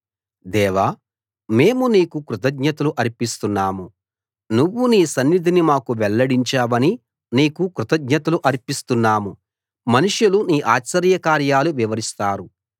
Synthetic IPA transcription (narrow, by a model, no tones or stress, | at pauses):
d̪ɛːʋaː | me̞ːmuniːkukɾut̪ɐɡɲɐt̪ɐluʔɐɾipist̪unːaːmu | nuʋːuniːsɐnːid̪ʱinimaːkuʋɛɭːɐɽiɲt͡ʃaːʋɐni | niːkukɾut̪ɐɡɲɐt̪ɐluʔɐɾipist̪unːaːmu | mɐnuʂjuluniːʔaːt͡ʃːɐɾjɐkaːɾjaːluʋiʋɐɾist̪aːɾu